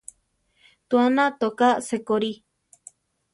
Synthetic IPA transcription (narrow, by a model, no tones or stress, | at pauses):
t̪uanãt̪okasekoɾi